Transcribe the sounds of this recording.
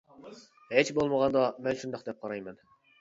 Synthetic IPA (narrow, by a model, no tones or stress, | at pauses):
het͡ʃbolˠməʁɑnd̪ɑmɛnʃund̪ɑχqd̪ɛp̚qʰɑɾɑjmɛn